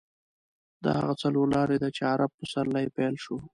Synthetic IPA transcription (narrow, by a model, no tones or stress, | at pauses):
d̪ɑ̰ha̰ɣat͡saloɾlɑɾed̪at͡ʃeaɾab̚pəsaɾlːajepelʃo